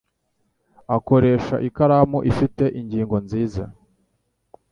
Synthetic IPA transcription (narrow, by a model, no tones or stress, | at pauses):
ako̞ɾe̞ːʃa̰ʔikaɾaːmuʔifite̞ʔiɲɟiːŋɡo̞nziːza̰